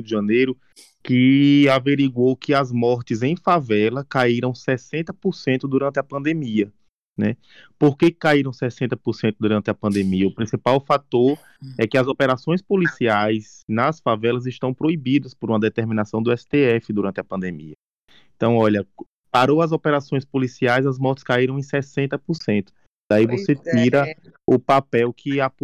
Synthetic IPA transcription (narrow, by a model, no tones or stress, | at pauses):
wd̪ɪʒɐ̃nejɾʊ | kɪaveɾiɡwowkɪɐzmɔɾt̪ɪzẽj̃favɛlɐkaiɾɐ̃w̃sɛsẽnt̪ɐpoɾsẽnt̪ʊd̪uɾɐ̃nt̪ɪɐpɐ̃d̪emiɐ | nɛ | poɾkekaiɾɐ̃w̃sɛsẽnt̪ɐpoɾsẽnt̪ʊd̪uɾɐ̃nt̪ɪɐpɐ̃nd̪emiɐupɾĩsipawfat̪oɾ | ɛkɪɐzopeɾasõj̃spolisiajznɐsfavɛlɐzɪʃt̪ɐ̃w̃pɾoibid̪ɐspoɾũmɐd̪ɛt̪eɾmĩnasɐ̃w̃d̪ʊɛsɪ̥t̪eɛfɪd̪uɾɐ̃nt̪ɪɐpɐ̃nd̪ẽmḭɐ | ẽt̪ɐ̃w̃ɔʎɐ | paɾoɐzopeɾasõj̃spolisiajzɐzmɔɾt̪ɪ̥skaiɾɐ̃w̃ẽj̃sɛsẽnt̪ɐpoɾsẽnt̪ʊ̥ | d̪̥aivoset̪iɾɐʊpapɛwkʰɪap